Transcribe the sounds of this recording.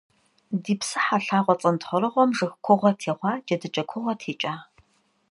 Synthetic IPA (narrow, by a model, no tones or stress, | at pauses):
diːpsɨħaɬaːʁʷɔt͡sʼɐntʰχəɾɨʁʷɔmʐɨxkʷʰʊʁʷɐtʰeːʁʷɑːd͡ʒɐdɨt͡ʃʼɐkʷʰʊʁɐtʰeːt͡ʃʼaː